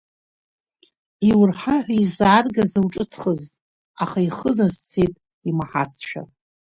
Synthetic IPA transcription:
iwrħaħʷaizaːrɡazɨwʈ͡ʂʼɨt͡sʰχəz | aχaiχənazt͡sʰetʼ | imaħat͡sʰʃᶣa̰

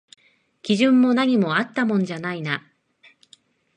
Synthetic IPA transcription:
kʲiʑɨ̃mːo̞naɲ̟imo̞at̪ːamõ̞ɲd͡ʑanaina

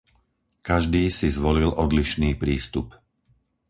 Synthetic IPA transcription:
kaʒd̪iːsizʋɔlilʔɔd̪liʃniːpɾiːst̪up

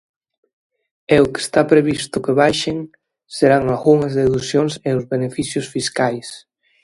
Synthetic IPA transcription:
eoke̥st̪apɾeβ̞ist̪ʊkeβajʃeŋ | seɾaŋazɣuŋɐzðeðusjoŋseozβenefisjʊsfiskajs

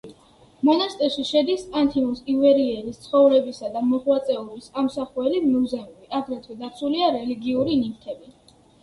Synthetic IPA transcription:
mɔnast̪ʼɛʃiʃɛd̪isant̪ʰimusivɛɾiɛɾist̪sʰχɔvɾɛbisad̪amɔχwat̪sʼɛulisamsaχuɛlimizɛmɛbiʔaɡɾɛt̪ʰwɛd̪at̪sʰuliaɾɛliɡiuɾinikt̪ʰɛbi

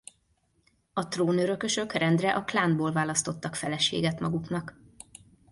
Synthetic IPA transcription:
ɒt̪roːnøɾø̞kø̞ʃø̞krɛnd̪rɛʔɒklaːnboːlvaːlɒst̪o̞t̪ːɒkfɛlɛʃḛːɡɛt̪mɒɡuknɒk

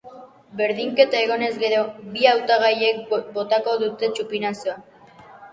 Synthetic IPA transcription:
be̞ɾðiŋke̞t̪ae̞ɣ̞o̞ne̞zɡe̞ɾo̞biawt̪aɣ̞aje̞k̚bo̞t̪ako̞ðut̪e̞t͡ʃupinasoa

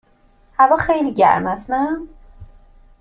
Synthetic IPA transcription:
hævɒːxejliːɟæ̰ɾmæsnæ

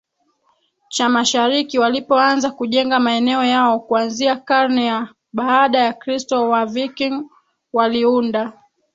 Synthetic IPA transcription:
t͡ʃamaʃaɾikiwalipɔanzakuʄɛŋɡamaɛnɛɔjaɔkuanziakaɾnɛja | ɓaːɗajakɾistɔwavikiŋ | waliunda

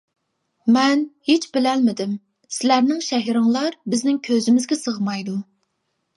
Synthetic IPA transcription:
mɛnhet͡ʃbɪlɛlmɪd̪ɪm | sɪlæɾnɪŋʃɛɦiɾɪŋlˠɑɾbɪznɪŋkʲʰøzɪmɪzɡʲɛsəʁmɑjd̪u

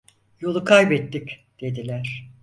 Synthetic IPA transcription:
jo̞lˠukʰajbɛt̪ːicd̪̥e̞d̪ilʲæɾ̥

